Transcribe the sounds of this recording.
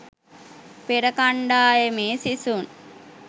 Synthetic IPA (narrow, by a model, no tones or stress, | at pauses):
peɾɐkaɳɖaːjemeːsisun